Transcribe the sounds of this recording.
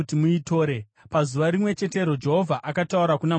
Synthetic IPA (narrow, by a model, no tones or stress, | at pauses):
timuito̞ːɾe | pazuʋaɾimwe̞t͡ʃe̞te̞ɾod͡ʒe̞ɦovʱaʔakatauɾakuna